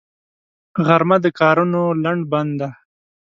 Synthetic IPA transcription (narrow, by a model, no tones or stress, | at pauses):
ɣaɾmad̪əkɑɾunolaɳɖband̪a